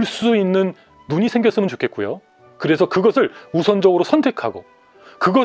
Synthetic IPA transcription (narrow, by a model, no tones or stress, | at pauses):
ɭs͈uinːɯnː | uɲisʰe̞ŋɡjʌs͈ɯmɯnt͡ɕokʰe̞t̚k͈ujo̰ | kɯɾe̞sʰʌkɯɡʌsʰɯɭusʰʌnd͡ʑʌɡɯɾosʰʌntʰe̞kʰaɡo̰ | kɯɡʌ